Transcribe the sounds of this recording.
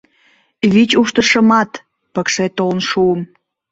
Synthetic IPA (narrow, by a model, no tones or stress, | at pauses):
βit͡ɕuʃt̪əʃəmɑt̪ | pəkʃet̪olnʃuəm